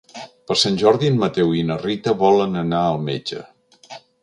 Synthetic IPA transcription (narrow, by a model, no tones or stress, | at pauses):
pəɾsanʲʒɔɾðiənmət̪ɛwinərit̪əβɔlənənaəlˠmḛd͡ʒə̰